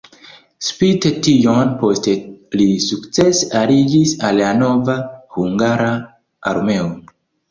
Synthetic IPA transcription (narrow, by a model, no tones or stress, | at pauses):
spitetionpo̞ste̞lisukt͡se̞saɾid͡ʒisalano̞vahuŋɡaɾa | a̰ɾme̞o